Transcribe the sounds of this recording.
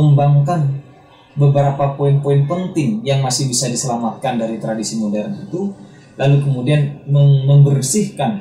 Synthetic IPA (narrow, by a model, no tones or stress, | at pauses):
əmbaŋkan | bəbəɾapapoɪnpoɪnpənt̪ɪŋjaŋmasɪhbisadisəlamat̪̚kandaɾit̪ɾadisimodɛrnit̪u | lʔalukəmudianməməmbərsɪhkan